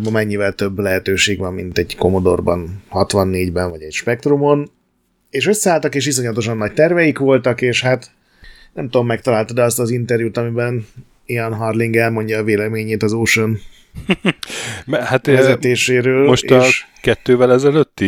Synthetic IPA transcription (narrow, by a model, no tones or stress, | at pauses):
bɒmɛɲːivɛlt̪ø̞bːlɛɦɛt̪øːʃeːɡʋɒmːint̪ɛɟko̞mo̞d̪o̞̰rbɒ̰nhɒt̪ʋɒnːeːɟbɛnvɒɟɛcʃpɛk̚t̪rumo̞n | eːʃøsːɛaːlt̪ɒkeːʃ̬his̬o̞ɲlɒt̪o̞ʃ̬ɒnːɒc̚t̪ɛrvɛjikʋo̞lt̪ɒkeːʃhaːt̪ | nɛmt̪uomːɛkt̪ɒlaːlt̪ɒd̪ɛɒst̪ɒzint̪ɛrjuːt̪ɒmibɛn | iɒnɦɒrliŋɡɛlmo̞ɲɟɒːveːlɛmeːɲeːt̪ɒzoːʃon | ɛhat̪ɛzɛt̪eːʃeːɾøːlmoʃːʃkɛt̪ːøːvɛlɛzɛløt̪ːi